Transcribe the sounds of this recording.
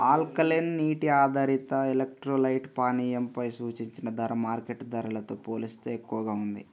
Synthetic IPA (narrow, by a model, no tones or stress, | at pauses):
aːlkɐlenːiːʈiaːd̪ʱɐɾit̪ɐelek̚ʈɾoːlɐjʈpaːniːjɐmpɐjsuːt͡ʃiɲt͡ʃinɐd̪ɐɾɐmaːɾkeʈːd̪ɐɾulɐt̪o̞ːpoːlist̪oːekːuʋɐɡaːund̪i